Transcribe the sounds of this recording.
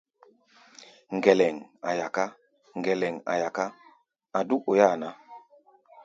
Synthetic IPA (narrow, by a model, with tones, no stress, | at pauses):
ŋ̩˨ɡɛ˨lɛ˨ŋa˨ja˨ka˦ | ŋ˨ɡɛ˨lɛ˨ŋa̰˨ja˨ka˦ | a˨du˦ʔo˨ja˦˨na˦